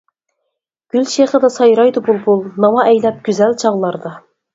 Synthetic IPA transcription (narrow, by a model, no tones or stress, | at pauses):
ɡ̥ʲylʃeχəd̪ɑsɑjɾɑjd̪ʊbulˠbulˠnɑmɑʔɛjlɛp̚ɡʲyzɛlt͡ʃʰɑʁlˠɑɾd̪ɑ